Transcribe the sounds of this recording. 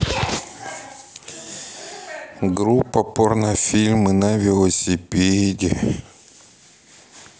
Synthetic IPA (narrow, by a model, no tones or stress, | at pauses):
ɡɾupːɐpornafʲilʲmɨnavʲɪlˠəsʲɪpʲedʲɪ